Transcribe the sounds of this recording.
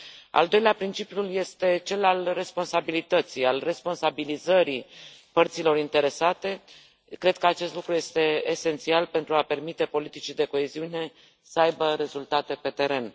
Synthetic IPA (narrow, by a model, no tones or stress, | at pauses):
a̰ld̪o̞jleapɾint͡ʃipjulje̞st̪e̞t͡ʃe̞lalre̞spo̞nsabilit̪ət̪sijalre̞spo̞nsabilizəɾipərt̪silo̞ɾint̪e̞ɾe̞sat̪e̞ | kɾe̞d̪̚kəat͡ʃe̞st̪lukɾuje̞st̪e̞ːse̞nt̪sialpe̞nt̪ɾuape̞rmit̪e̞po̞lit̪it͡ʃid̪e̞ko̞e̞ziune̞ | səajbəɾe̞zult̪at̪e̞pe̞t̪e̞ɾe̞n